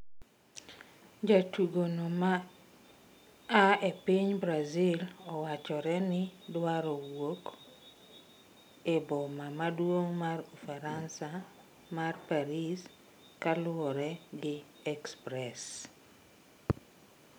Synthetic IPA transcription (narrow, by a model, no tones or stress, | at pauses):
d͡ʒatuɡonoma | epiɲbɾazilɔwat͡ʃɔɾɛnɪdwaɾɔwok | ebɔmamadwoŋmarufaɾansa | marpaɾis | kalʊɔɾɛɡɪ | ɛkspɾɛs